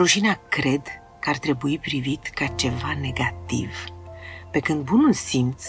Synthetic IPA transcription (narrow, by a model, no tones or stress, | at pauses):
ɾuʃinakɾe̞d̪ | kəart̪ɾe̞buipɾivit̪kat͡ʃe̞vane̞ɡat̪ḭv | pe̞kɨnd̪̚bunulsimt̪s